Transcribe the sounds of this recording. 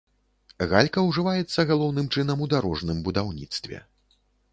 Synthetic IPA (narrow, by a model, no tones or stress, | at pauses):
ɣalʲkɐwʐɨvajɛt̪sːɐɣalˠɔwnɨmt͡ʂɨnɐmud̪aɾɔʐnɨmbud̪awnʲit̪st̪vʲɛ̰